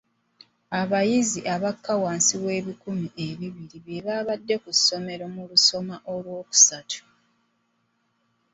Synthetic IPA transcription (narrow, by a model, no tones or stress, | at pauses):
aβajiziʔaβakːawaːnsiβwe̞ːβikumiʔe̞βiβiɾiβjeβaβadːe̞kusːo̞me̞ɾo̞muluso̞maʔo̞lwo̞ːku̥satʰu̥